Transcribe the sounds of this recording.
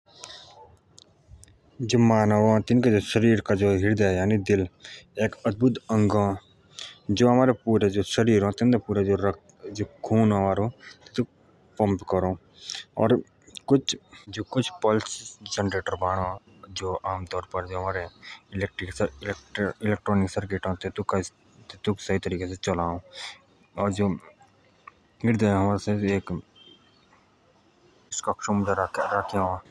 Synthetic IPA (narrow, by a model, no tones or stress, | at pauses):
d͡ʒoːmaːnəʋ̃t̪ɪnkad͡ʒoːʃəɾiːɾkad͡ʒoːɦɪɾd̪aɛjaːnid̪ɪleːkəd̪̚bʊt̪ə̃ŋɡã | d͡ʒoːɦɐmaːɾepuːɾed͡ʒoːʃəɾiːɾõːt̪ɪnd̪apuːɾad͡ʒoːɾək | d͡ʒoːkʰuːnɦəmaːɾoːt̪t̪u | pə̃mpkəɾõː | ɔ̰ːɾ | kʊt͡ʃd͡ʒoːkʊt͡ʃʰpɔːlɪsid͡ʒɛnɾeːʈəɾbaːɽ̃o | d͡ʒoːaːmt̪ɔːɾpɐɾd͡ʒoːɦɐmaːɾeɪleːk̚ʈɾɪksɾɪlʈɪleːk̚ʈɾɔːnɪksəɾkeːʈɦõt̪t̪ok | t̪t̪usɐɦit̪əɾiːkeset͡ʃɐlaːõː | ɔːɾd͡ʒoː | ɡɪɾd̪ẽɦɐmaːɾseeːk | ɪskakʃumd̪aɾaːkʰeaa